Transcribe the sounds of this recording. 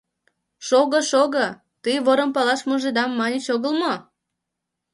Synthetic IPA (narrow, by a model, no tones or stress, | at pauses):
ʃoɣəʃoɣə | t̪ɨjβoɾəmpɑlɑʃmoʒed̪ɑmːɑnʲit͡ɕoɣəlmo